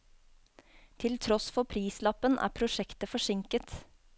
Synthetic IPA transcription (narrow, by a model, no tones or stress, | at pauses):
t̪ʰɪlt̪ʰɾɔsfɔpʰɾiːslɑpənʔæ̰ːpʰɾʊʃɛkt̪əfɔʂɪŋkət̪